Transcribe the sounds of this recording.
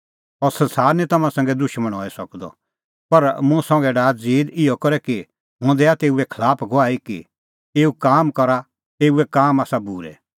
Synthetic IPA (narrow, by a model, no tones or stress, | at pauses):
ɔɾsɐ̃nsaːɾnit̪ɐmãsɛ̃ŋɡɛd̪ʊʃmə̃ɽ̃ɦɔːisɐkd̪ɔ̰ | pɐɾmʊ̃sɔ̃ŋɡɛɖaːt̪d͡ziːd̪ɪjɔkɔɾɛki | ɦõd̪ɛat̪eːuɛkʰəlaːpʰɡʱoaːikḭ | eːukaːmkɐɾa | t̪eːuɛkaːmaːsabuːɾɛ̰